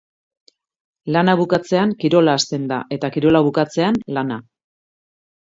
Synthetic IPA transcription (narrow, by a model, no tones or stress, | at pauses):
lanaβ̞ukat͡se̞aŋkiɾo̞laːst̪e̞nd̪a̰ʔe̞t̪akiɾo̞laβ̞ukat͡se̞anlana